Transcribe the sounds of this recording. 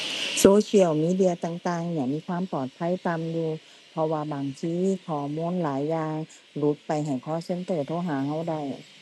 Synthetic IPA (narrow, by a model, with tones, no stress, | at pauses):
soː˧sʰi˧˥ə˨wmiː˧˥˨di˧˨ɐ˧t̪aː˧ŋt̪aː˧ŋɲa˧˩ŋmiː˧˥˨kʰwaː˧˥˨mpɔː˨˩t̪̚pʰa˧˥˨jt̪a˧˨mjuː˧ | pʰɔ˧waː˧baː˨ŋt̪ʰiː˧˨kʰɔː˨˩muː˧˥˨nlaː˨˦jːaː˧ŋ | lu˧˦˥t̪̚pa˨jɦa˨˩jkʰɔː˧˥˨se˧˥nt̪ɤː˧˩t̪ʰoː˧˥˨ɦaː˨˦ɦa˧˥˩wda˧˩j